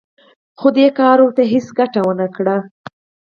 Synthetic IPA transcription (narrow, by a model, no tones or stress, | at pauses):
xod̪ekɑɾoɾt̪aɦɪsɡaʈawənakɽa